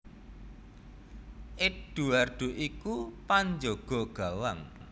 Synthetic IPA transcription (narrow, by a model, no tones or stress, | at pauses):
ʔɪɖ̥uarɖ̪̥ṳʔikupaɲd͡ʒoɡ̥ɔɡ̥a̤waŋ